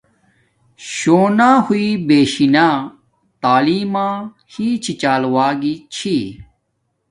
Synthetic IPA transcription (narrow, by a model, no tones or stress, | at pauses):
ɕoːnãːhuiːbeːɕinãː | t̪aːliːmãː | hiːt͡ɕʰit͡ɕaːlwaːɡit͡ɕʰi